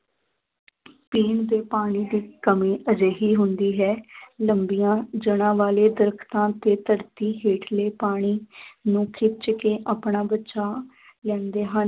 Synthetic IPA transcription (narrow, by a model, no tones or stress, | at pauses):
piːɳd̪eːpaːɽ̃iːd̪iːkəmĩːʔəd͡ʒeːɦiːɦʊnd̪iːɦɛːləmbijãːd͡ʒəɽ̃ãːʋaːleːd̪əɾkʰt̪ãːt̪eːt̪əɽt̪iːɦeːʈʰleːpaːɽ̃iːnũːkʰɪt͡ʃkeːʔaːpɳaːbətːʃaː | lɛ̃ːnd̪eːɦən